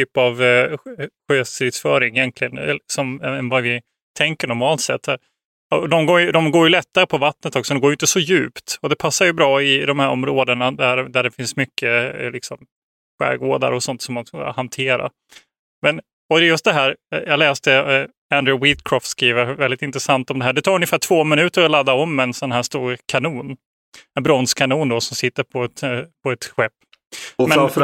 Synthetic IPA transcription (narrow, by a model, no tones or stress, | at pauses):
yːpav | ɧøːst̪ɾɪt̪sfœːɾɪŋɪjɛnt̪ʰlɪɡənlsɔmɛnvavɪ | t̪ʰɛŋkəɳɔɾmɑːlt̪sɛ̰t̪ʰːæɾ | ɔd̪ɔmɡoːjɵd̪ɔmɡoːɾjɵlɛt̪ːaɾəpʰɔvat̪nət̪ɔksɔd̪ɛɡoːɾjʏɪnt̪əsɔjʉ̟ːpt̪ɔd̪ɛpʰasːaɾjɵbɾɑːɪd̪ɔmhæɾɔ̰mɾoːd̪ənad̪æd̪æɖɛfɪnsmʏkʰːəlɪksɔm | ɧæ̰ːɾɡoːd̪a̰ɾɔsɔnt̪sɔmːan̰hant̪ʰeːɾa̰ | mɛn | ɔd̪ɛjɵst̪d̪ɛɦæːɾjɑːɡlɛːst̪ə | ænd̪ɾʊwit̪kʰɾɔft̪skɾiːvəɾvɛld̪ɪt̪ɪnt̪ɾəsant̪ɔmd̪ɛɦæːɖɛt̪ʰɑːɾɵnjəfæːʈʰv̥oːmɪnʉ̟ːt̪əɾɔlad̪ːaɔmːɛnsɔnaɦæːʂt̪uːɾkʰanuːn | ɛnbɾɔnskʰanuːnd̪ɔsɔmsɪt̪ːəɾpʰɔɛt̪pʰɔɛt̪ɧɛpː | mɛf